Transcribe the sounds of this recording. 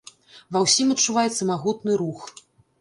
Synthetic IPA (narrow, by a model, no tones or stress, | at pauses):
vɐwsʲimɐtt͡ʂːuvajɛt̪sɐmaɣut̪̚nɨɾux